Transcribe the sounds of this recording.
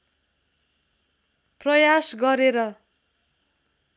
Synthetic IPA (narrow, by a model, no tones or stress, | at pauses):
prʌjasɡʌɾeɾʌ